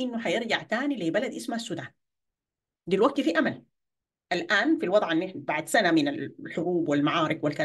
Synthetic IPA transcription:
ʔɪnːuħajɪɾd͡ʒaʕt̪aːnileːbalad̪ʔɪsmahasːud̪aːn | d̪ilwaɡ̚t̪fiʔamal | ʔalʔaːnfilwɑd̪ˤʕanːɪħbaʕd̪sanamɪnalħʊɾuːbwɪlmaʕɑːɾɪkwɪlka

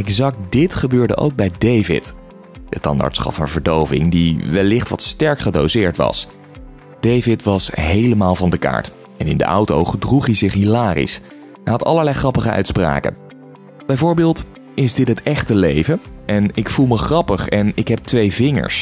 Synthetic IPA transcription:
ɛkzɑk̚t̚dɪtχəbøːɹdə̰ʔo̰wɡ̚bɛjdejvɪ̰t | d̥ətɑ̰nda̰ɹtsχɑ̰pfɑnvəɹdowvɪ̰ŋdiʋɛlːɪχtʋɑtstɛɹkχədowzɪːɹtʋɑ̰s | d̥ejvɪtʋɑsɦejləmaːlˠvɑndəka̰ːɹt | ɛnɪ̰ndə̰ʔɑ̰wto̰wχədruχɦizɪχɦilaːrḭs | ɛnɦɑtɑ̰ləɹlɛjχrɑpəχə̰ɥtspra̰ːkə̰n | b̥ɛjvʊːɹbɪːlˠt | ɪzdɪtɦətɛχtəlejvəʔɛnɪkfulˠməχrɑpəχɛnɪkɦɛp̚tʋejvɪŋə̰ɹs

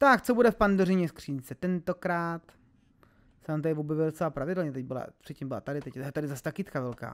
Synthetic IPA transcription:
t̪akt͡so̞budɛfpandorɪɲɛskr̝̥iːɲt͡sɛt̪ɛnt̪okɾaːt̪ | sɛnaːmt̪adɪvobjɛvɪldot͡sɛlapɾavɪdɛlɲɛt̪ɛɟ̚bɪla̰pr̥ɪt̪̚cːimbɪla̰t̪adɪt̪ɛct̪adɪzast̪akɪt̪kavɛlka̰ː

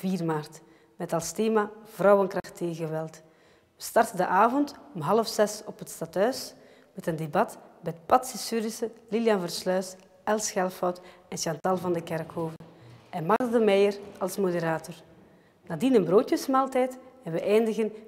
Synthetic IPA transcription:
viːrmaːrt | mɛtɑlˠsteːmaːv̥rɔwənkrɑxtːeːɣəʋɛlˠt | ʋəstɑrtəndəʔaːvɔntɔmɦɑləfsɛsɔpɦətstatɦœɥs | mɛtəndebɑtbɛtpɑtsisyɾɪsəliljɑnvərslœːs | ɛlˠsxɛlˠfɔwt | ɛnʃɑntɑlˠvɑndəkɛrkɦoːvəɛnmɑɣədəmɛjərɑlˠsmodəɾaːtɔr | naːdinənbroːtjəsmaːlˠtɛjtɛnʋəʔɛjndəɣən

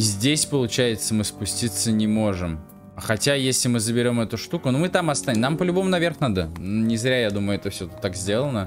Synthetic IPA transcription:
zʲdʲesʲpəlˠʊt͡ɕæjɪt̪səmɨspʊsʲtʲit̪sːənʲɪmo̞ʐɨm | xɐtʲajesʲlʲɪmɨzəbʲɪɾʲo̞mɛt̪ʊʂt̪ukʊnumɨt̪amɐst̪aɪmnampəlʲʊbo̞mʊnɐvʲe̞rxnad̪ənunʲɪzɾʲajad̪uməjʊɛt̪əfsʲɵt̪t̪ːakzʲdʲe̞lˠənə

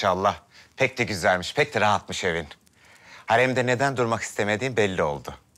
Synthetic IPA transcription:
ʃaːlˠːahpʰɛc̚d̪ɛɟyzælʲmiʃpʰɛc̚t̪ɛɾaɦat̪̚mɯʃe̞vin | haɾɛmd̪ɛne̞d̪ænd̪uɾmaki̥st̪ʰeme̞d̪iːmbɛlʲːio̞̰lˠd̪ʊ

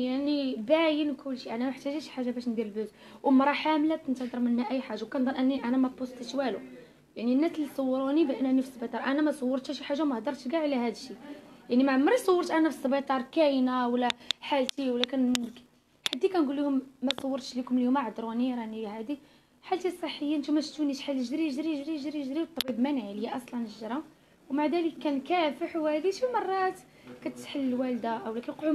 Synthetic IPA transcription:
jaʕnibæjənkʊlːʃiʔænæmaħt̪æʒæʃħaʒːabæʃnd̪iɾəlbəz | wʔmɑɾˤɑħamlæt̪ənt̪əd̪əɾˤmənhæʔæjːħaʒːawkænd̪ˤənʔənːiʔænæmæt̪̚busˤt̪əʃwælu | jaʕninːæslːit̪sˤɑwːəɾunibʔənʔænifisˤːbit̪ˤɑɾˤʔænæmæsˤɑwːəɾˤt̪hæʃiħaʒːamæhd̪ɑɾˤt̪ɡaʕlæhæd̪əʃijaʕnimæʕmːəɾitsˤɑwːəɾˤt̪ʔænæfi̥sˤːbit̪ˤɑɾˤkæjnawlːæħalt̪iwlːækæn | ħad̪ːikænɡulːihʊmːæsˤɑwːəɾt̪ʃlikʊmljumaʕd̪ɾˤuniɾɑʕnihæd̪i | ħalt̪isˤəħːəjːant̪umæʃt̪uniʃħalːʒɾiʒɾiʒɾiʒɾiʒɾiwt̪ˤːɑbibmænʕləjaʔɑsˤlɑnəʒɾˤɑ | wmaʕd̪æləkːænkæfəħwhæd̪iʃimɑrˤːɑt̪ | kæt̪ə̥t̪ħəlːəlwæld̪aʔwlækənqʕu

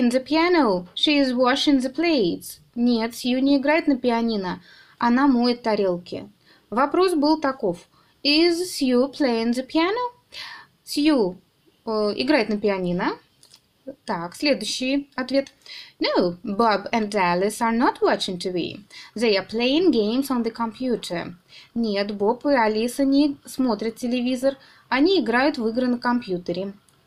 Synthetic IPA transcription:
ɪ̃nzəpʲiænoʊʃiɪzwɔʃɪ̃ŋzəpleɪts | nʲet̪sʲjunʲɪɪɡɾajɪt̪nəpʲɪɐnʲinə | ɐnamuɪt̪ːɐɾʲelˠkʲɪ̰ | vɐpɾo̞sbɨlˠt̪ɐkof | ɪzsjupʰleɪɪ̃nzəpʲɪæno | sju | ɪ̰ɡɾajɪt̪nəpʲɪɐnʲinə | t̪aksʲlʲed̪ʊjɕːɪjɐt̪vʲe̞t̪noʊbabɛ̃ndælʲˠɪsanɔt̪wɔt͡ʃɪ̃ŋt̪ʰɨbʲḭðeɪaplʲˠeɪɪ̃ŋɡʲẽɪmsɔnðəkɐmpjut̪ʰə˞nʲet̪bopɨɐlʲisɐnʲismo̞t̪ɾʲɪt̪ʲtʲːɪlʲɪvʲizər | ɐnʲiːɡɾajʊt̪vɨɡɾənəkɐmpʲjut̪əɾʲɪ

